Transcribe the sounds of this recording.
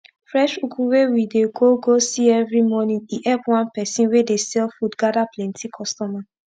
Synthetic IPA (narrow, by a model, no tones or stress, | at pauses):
fɹɛʃukʰuwewideɡoɡosiɛvɹimɔnĩŋiʔɛpwãnpɛsĩnwedesɛlfudɡadaplɛ̃ntʰikʰɔstɔma